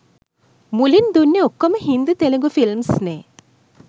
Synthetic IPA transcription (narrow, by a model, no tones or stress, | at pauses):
mulind̪unːeokːoməɦind̪ut̪eleŋɡufilmsneː